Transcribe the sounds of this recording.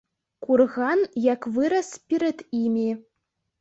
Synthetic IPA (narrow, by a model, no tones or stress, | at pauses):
kurɣɑnjɑkvɨɾə̆spʲiɾʲɘ̆t̪imʲi